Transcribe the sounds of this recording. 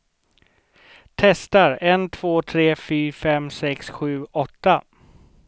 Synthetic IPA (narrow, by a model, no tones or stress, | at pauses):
t̪ʰɛst̪aɾɛnt̪ʰv̥oːt̪ʰɾeːfyːɾfɛmsɛksɧʉ̟ːɔt̪ːa